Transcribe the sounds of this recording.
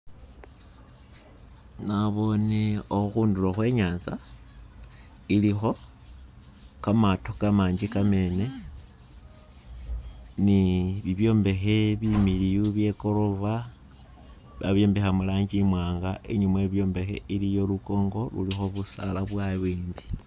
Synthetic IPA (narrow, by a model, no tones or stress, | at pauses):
naβo̞neoxuːnduloxwe̞ːɲaːnza | ilixo̞ | kamatokamaːɲd͡ʒikame̞ːne̞ | niβiβjo̞ːmbe̞xe̞βimiɾijuβje̞ko̞ɾo̞va | βa̰βjo̞ːmbe̞xamulaːɲd͡ʒimwaːŋɡaʔeɲumweβjo̞ːmbe̞xe̞̰ilijo̞luko̞ːŋɡo̞lṵlixo̞βusalaβwaβwiːmbi